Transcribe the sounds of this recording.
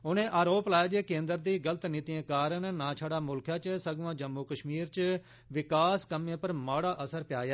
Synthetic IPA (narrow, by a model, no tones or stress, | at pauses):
ʊnẽːʔaːɾoːplaːjːd͡ʒeːkẽːnd̪əɾd̪iːɡələt̪nɪt̪ijẽːkaːɾənnãːt͡ʃʰaːɽaːmʊlkʰjaːt͡ʃsəɡʋãːd͡ʒəmːuːkəʃmiːɾt͡ʃ | ʋɪkaːskəmẽːpəɾmaːɽaːʔəsəɾpɪjaːjaː